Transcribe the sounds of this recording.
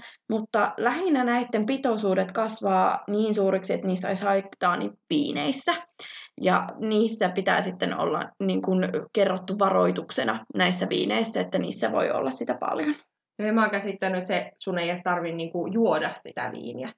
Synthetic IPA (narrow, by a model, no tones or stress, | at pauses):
mut̪ːɑlæhinænæit̪ːempit̪osuːdet̪kɑsʋɑːniːnsuːɾiksiet̪niːst̪o̰ishɑikt̪ɑːnḭʋiːnḛisːæjɑniːsːæpit̪æ̰ːsit̪ːeno̰lːɑ̰niːŋkunkerːot̪ːuʋɑroit̪uksenɑnæisːæʋḭːneisːæet̪ːænḭːsːæʋo̰io̰lːɑssit̪æpɑ̰ljon | noemɑːkæsit̪ːænːyet̪sesuneijæst̪ɑrʋinniːŋkujuodɑssḭt̪æ̰ʋḭːniæ